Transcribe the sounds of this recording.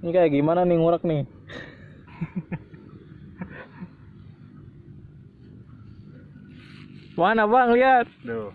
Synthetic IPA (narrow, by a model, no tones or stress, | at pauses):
nikajaɡimananiŋuɾak̚ni | wanapaŋliat̪̚